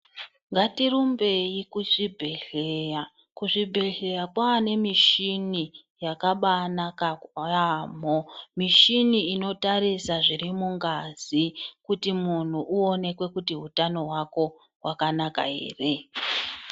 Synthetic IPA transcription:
ŋɡatirumbe̞ikuʂibʱe̞ɮeja | kuʐibʱe̞ɮe̞jakwaːne̞miʃini | jakaɓanakaam̤omiʃiniino̞tarisaʐirimuŋɡazikutimun̤uʔuo̞ne̞kwe̞kutiɦutano̞ɦwako̞ | ɦwakanaka̰ɦḛːre̞

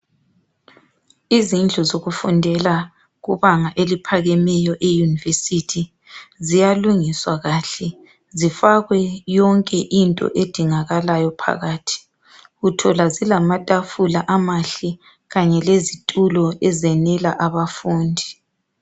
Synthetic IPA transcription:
izind͡ɮʱɔzoɣufundʱɛla | ɣuβaŋaʔelipʰaɣɛmɛjɔʔejunivesitʰi | zijaluŋiswaɣaːɬɛ | zifaɣwɛjɔŋkʼɛʔintʼɔ̰ʔed̥ʱiŋaɣalajɔpʰa̰ɣaːtʰi̥ | ɣutʰɔlazilamatʼafulaʔamaɬi | ɣaɲɛlezitʼulɔɛzɛnɛla̰ʔaβafuːndʱi

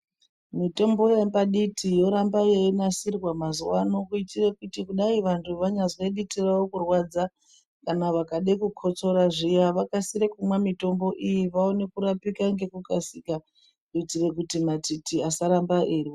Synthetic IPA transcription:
mito̞mbo̞jambaɗitʰijo̞ɾambajeinasirwamazuwano̞kuitire̞kutikuɗaiʋantʰuʋaɲazeɗitirawokurwad͡za | kanaʋakaɗekukʰo̞t͡so̞ɾaʐijaʋakasiɾekumwamito̞mbo̞ʔijiʋaone̞kuɾapikaŋɡe̞kukasika | kuitire̞kutimatitiasaɾambaʔirwo

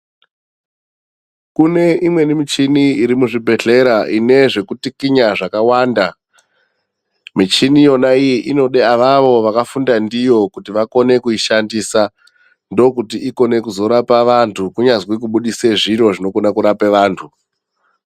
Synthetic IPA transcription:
kune̞ʔimwe̞nimit͡ʃiniiɾimuʐibʱe̞ɬe̞ɾaʔine̞ʐe̞kutikiɲaʐakawaːnda | mit͡ʃinijo̞naijiʔino̞ɗeaʋaʋo̞ʋakafundandijo̞kutiʋako̞ne̞kuiʃandisa | ndo̞kutiiko̞ne̞kuzo̞ɾapaʋantʰukuɲazwik̬uɓuɗiseʐiɾo̞ʐino̞kunakuɾapeʋaːntʰu

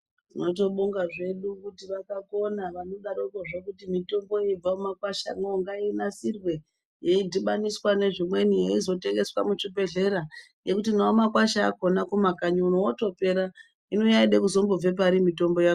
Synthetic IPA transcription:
dino̞t̬o̞ɓuŋɡaʐe̞ɗukutiʋakako̞naʋanoɗaɾoikoʐekutimito̞mbo̞eib͡vaumakwaʃa̰noŋɡaeinasirwe̞ | je̞idʱiɓaniswane̞ʐimwe̞nijeizo̞te̞ŋɡe̞swa̰mut͡ʃibe̞ɮe̞ɾa | je̞kutinaomakwaʃaːko̞nakumakaɲuunowoto̞pe̞ɾa | ino̞jaiɗekuzo̞mbob͡ve̞p̬aɾimito̞mbo̞jako

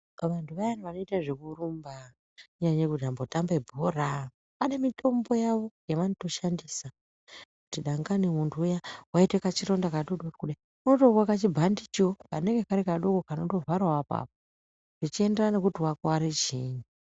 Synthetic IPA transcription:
ʋantʰuʋajaniʋano̞itaʐekurumba | ɲaɲekut̬iambo̞tambebʱora | ane̞mitʰo̞mbo̞jaʋo̞jeʋanoto̞ʃandisa | kutiɗaŋɡanimuntʰuːjawaite̞kat͡ʃiɾo̞ndakaɗoɗokuɗa | unotowakat͡ʃibʱandit͡ʃokane̞ŋɡekaɾikaɗo̞kokanoto̞vaɾwawapa̰p̚o | ʐ̥it͡ʃie̞nderane̞kutiwakwaɾet͡ʃiːɲu

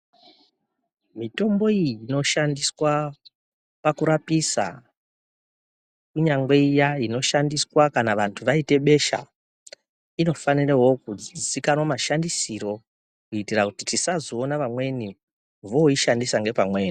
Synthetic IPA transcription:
mito̞mbo̞iino̞ʃandiswa | pakuɾapisa̰ | kuɲaŋɡwe̞ijaino̞ʃandiswakanaʋantʰuʋaite̞ɓe̞ʃa̰ | ino̞fanirewo̞kuikanwomaʃandisiɾo̞ | kuitirakutitisazoːnaʋamwe̞ni | ʋo̞iʃandisaŋɡe̞pamwe̞ːni

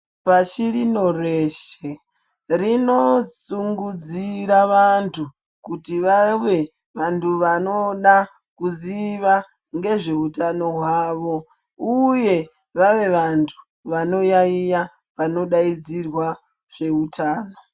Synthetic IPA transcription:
paʃirino̞reʃe | rino̞suŋɡud͡ziɾaʋantʰu | kutiʋaʋe̞ | ʋantʰuʋano̞ɗa | kuziʋa | ŋɡe̞ʐe̞utano̞ɦwaːʋo̞ | uje̞ | ʋaʋe̞ʋantʰu̥ | ʋano̞jaija | ʋano̞ɗaid͡zirwa | ʐ̥e̞utʰaːno̞

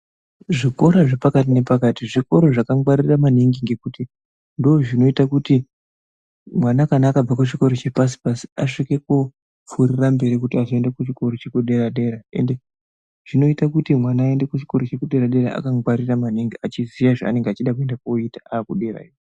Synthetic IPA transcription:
ʐiko̞ɾaʐepakat̬ine̞pakatiʐiko̞ɾoʐakawaɾiramaniŋɡiŋɡe̞kuti | ndoːʐino̞itakuti | mwanakanaːkab͡vakut͡ʃiko̞ɾot͡ʃepas̬i̥pasi̥aʂike̞ku | p͡furirambe̞ɾikutiazoe̞ndekut͡ʃiko̞ɾot͡ʃe̞kuɗe̞ɾaɗe̞ɾaḛnde̞ | ʐ̥ino̞itakutimwanaːendekut͡ʃi̥ko̞ɾot͡ʃe̞kuɗe̞ɾaɗe̞ɾaʔa̰kawaɾiramaniŋɡiat͡ʃizijaʐa̰a̰ne̞ŋɡeat͡ʃiɗak̬ue̞ndakoitaaːkuɗe̞ra̰iwo

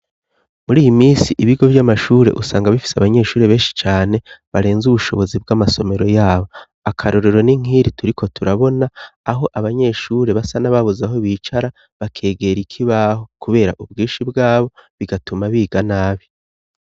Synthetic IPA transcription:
muɾiːjimiːsiʔiβiɡo̞vjamaʃuːɾe̞̰ʔusaːŋɡaβifi̥seaβaɲe̞ʃuːɾe̞βe̞ːʃi̥t͡ʃaːne̞βaɾe̞ːnzuβuʃo̞βo̞zib̚ɡaːmaso̞me̞ɾo̞jaːβo̞ | akʰaɾo̞ɾe̞ɾo̞niŋ̥iːɾituɾikʰo̞tuɾaβo̞naːɦo̞ʔaβaɲe̞ʃuːɾe̞βasanaβaβuzaɦoβiːt͡ʃaɾa | βakʰe̞ːɡe̞ɾikʰiβaho̞kuβe̞ːɾa̰ʔubɡiːʃibɡaːβo̞βiɡatumaβiːɡanaːβi

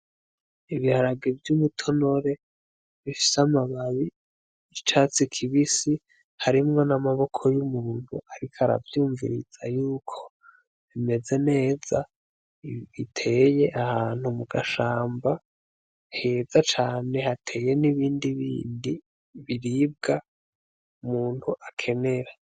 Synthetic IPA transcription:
iβihaɾaɡevjumutʰo̞no̞ɾe̞ | βifi̥samaβaβi | it͡ʃat͡sikʰiβisi | haɾimŋo̞namaβo̞kʰo̞jumuːnuʔaɾikʰaɾa̰vjuːɱvḭɾḭz̥ajuːkʰo̞̥ | ime̞ze̞ne̞ːz̥a | βitʰe̞ːje̞ʔahaːn̥humuɡaʃaːmba | he̞zat͡ʃaːne̞hatʰe̞ːje̞niβiːndiβḭːndi | βiɾiːb̚ɡa | umuːnhuʔakʰe̞ne̞ɾa

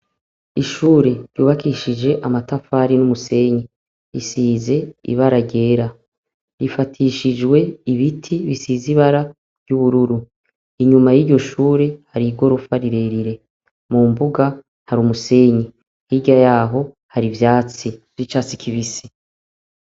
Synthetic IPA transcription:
iʃuːɾe̞ɾjuːβakiʃid͡ʒe̞ʔamatafaːɾinumuse̞ɲi | ɾisiːze̞ḭβaɾaɟe̞ːɾa | ɾifatʰiʃid͡ʒɡwe̞iβitʰiβisiːziβaɾa | ɾjuβuɾuɾu | iɲumajiɾɟo̞ʃuːɾe̞haɾiɡo̞ɾofaɾiɾe̞ɾiɾe̞ | mumbuɡa | haɾumuse̞ɲi | hiɟajaːɦo̞ | haɾivjaːt͡sivit͡ʃat͡sikʰiβisi̥

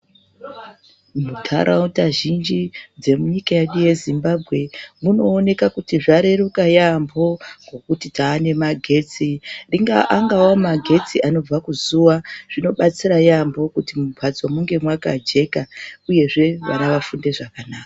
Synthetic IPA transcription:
mutʰa̰ɾʔautaʒind͡ʒid͡ze̞muɲikajaɗije̞zimbabʱɣe̞muno̞ːne̞kakutiʐaɾeɾukajambo̞ɡo̞kutitaːne̞maɡʱe̞t͡siriŋɡaʔaŋɡawomaɡʱe̞t͡siʔano̞b͡vakuzuʋaʐ̥ino̞ɓat͡siɾajambo̞kutimubʱad͡zwamuŋɡe̞mwaka̰d͡ʒe̞kauje̞ʐe̞ʋa̰naʋafunde̞ʐakanaːka

